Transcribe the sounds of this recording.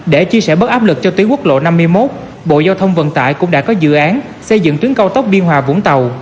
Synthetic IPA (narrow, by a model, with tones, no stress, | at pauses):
ɗe˧˩t͡ɕi˧əsɛ˧˩ɓə˦˥t̚ʔaː˦˥p̚lɨ˨˩k̚t͡ɕɔ˧t̪wi˨˦əŋkwək̚lo̰˧˨na˧mː˧əjmo˦˥t̚ | ɓo̰˧˨zaː˧wt̪ʰə˧wŋ͡mvə̰˧˨nt̪a̰ː˧˨jkʊ̰˧˥ŋ͡mɗaː˧˥kɔ˨˦zɨ̰˧˨ʔaː˨˦n | sə˧jzɨ̰˧˨ŋt̪i˨˦əŋkə˧wt̪ə˦˥wk͡p̚ɓi˧ənɦwaː˨˩vʊ̰˧˥ŋ͡mt̪ə˨˩w